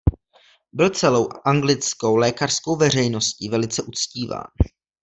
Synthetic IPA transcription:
bɪlt͡sɛlo̞wʔʔaŋɡlɪt͡sko̞wlɛːkar̥sko̞wvɛr̝ɛjno̞scivɛlɪt͡sɛʔut͡sciːva̰ːn

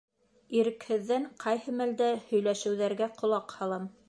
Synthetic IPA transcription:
iɾɘ̆khɘ̆ðːæɴqʰɑjhɤmæld̪æhɵ̆jlæʃɘ̆wðæɾɡæqŏlˠɑqhɑlˠɤm

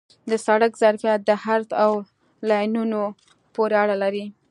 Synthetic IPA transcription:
d̪əsaɽakzaɾfijat̪̚d̪əhaɾt̪aw | lɑjnuno | poɾeaɽalaɾi

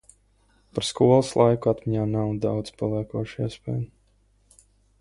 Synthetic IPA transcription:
paɾskuɔlˠəslˠajkuat̪miɲaːnawd̪a̰wd̪z̥palˠiɛkuɔʃiɛspʲɛ̰jm

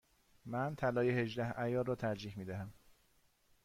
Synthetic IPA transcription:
mænt̪ʰælɒːjehe̞ʒd̪æhæjɒːrɒːt̪ʰæɾd͡ʒiːhmiːd̪æɦæm

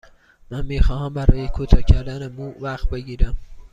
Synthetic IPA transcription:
mænmiːxɒːɦæmbæɾɒːjekʰuːt̪ʰɒːcʰæɾd̪ænemuːvæxt̪̚be̞ɟiːɾæm

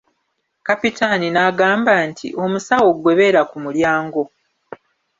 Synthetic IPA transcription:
kapitʰaninaɡaːmbantʰḭʔo̞musawo̞ɡwe̞βe̞ɾakumuljaːŋɡo̞

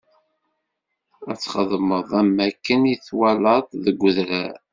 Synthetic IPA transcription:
æt͡sːχəðˤməðˤæmːækːəniθwælət̪ˤðəɡʷːʊðɾæ

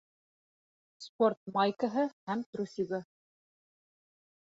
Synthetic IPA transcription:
sport̪̚majkəɦɤhæmt̪ɾusʲiɡɤ

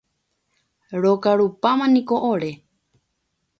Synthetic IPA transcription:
ɾokaɾupamãnĩkoʔoɾe

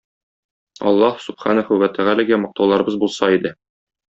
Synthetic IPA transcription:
ɒ̰lˠːɑhsub̥χɑnɤχʉwæt̪ʰæʁælæɡæmɒ̆q̚t̪ɑwlˠɑɾɤ̆bɤzbulˠsɑid̪ɘ

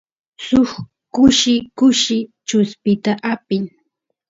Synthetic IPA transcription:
sʊx | kʊʃɪkʊʃɪt͡ʃʊspɪt̪aʔapɪŋ

